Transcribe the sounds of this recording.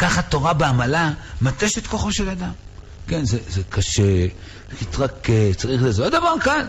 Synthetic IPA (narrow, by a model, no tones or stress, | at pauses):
kaχat̪o̞ʁabeamalamat̪eʃet̪koχo̞ʃe̞lad̪am | kenzezekaʃe | kit̪ʁaket͡saʁiχlezeod̪avaʁkal